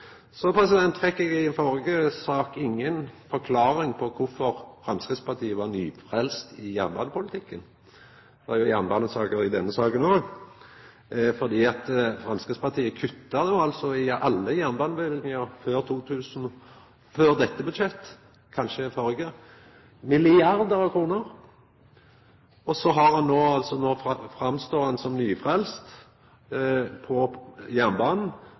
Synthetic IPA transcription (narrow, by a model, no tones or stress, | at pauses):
sɔpʰɾɛsɪd̪ɛnt̪ːfɛkːɛɡɪɛnfɔʁəɡəsɑːkɪŋːənfɔɾkʰlɑːʁɪŋpʰɔkʰʊfɔʁfʁɑnskɾɪt̪spɑʁt̪ʰiːəʋɑʁnyːfʁɛlst̪ɪjæʁnbɑ̰nəpʊlɪt̪ʰɪkːən | ɑjʊjæʁnbɑnəsɑːkəɾɪd̪ɛnːəsɑːkənoːɡ | fɔd̪iːɑt̪fɾʁɑnskʁɪtspɑt̪ʰiːəkʰʉt̪ːɑd̪ɛʊɑlt̪sɔɪɑlːəjæʁnbɑːnəʋɛlnɪŋəʁføːʁt̪ʰuːt̪ʰʉːsn | føːʁd̪ɛt̪ːəbʉd̪ʃɛt̪ː | kʰɑnʃəɪfɔɾɡə | mɪlɪɑɾd̪əɾɑʋkʰɾuːnəʁ | ɔsɔɦɑɾhɑnːoːɑlt̪sɔnoːfʁɑmst̪oːhɑnsɔmnyːfʁɛlst̪ | pʰɔjæʁnbɑːnn̩